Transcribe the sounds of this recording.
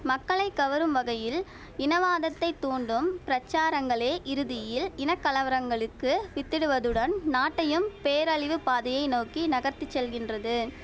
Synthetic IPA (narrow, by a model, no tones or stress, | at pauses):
mɐkːɐɭɐɪkːɐʋɐɾɯmʋɐɣɐjɪl | ɪnɐʋaːðɐt̪ːɐɪt̪ːuːɳɖɯmpɪɾɐt͡ʃːaːɾɐŋɡɐɭeːʔɪɾɯðɪjɪlɪnɐkːɐlɐʋɐɾɐŋɡɐɭɯkːɯʋɪt̪ːɪɽɯʋɐðɯɽɐnnaːʈːɐjɯmpeːɾɐɭɪʋɯpaːðɐjɐɪnoːkinɐɣɐɾt̪ːɯt͡ʃːɛlɣɪndrɐðɯ